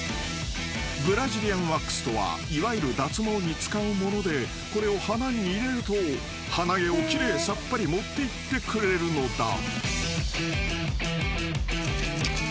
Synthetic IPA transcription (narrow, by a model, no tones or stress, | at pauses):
bɯ̟ɾaʑiɾʲiãɰ̃βakːɯ̥sɨ̥t̪o̞βa̰ | iβaiɾɯ̟d̪at͡sɨmo̞ːɲ̟it͡sɨ̥kaɯ̟mo̞no̞d̪e̞ | ko̞ɾe̞o̞hanaɲʲiːɾe̞ɾɯ̟t̪o | hanaɡe̞o̞kʲiɾe̞ːsapːaɾʲimo̞t̪ːe̞it̪ːe̞kɯ̟ɾe̞ɾɯ̟no̞d̪a̰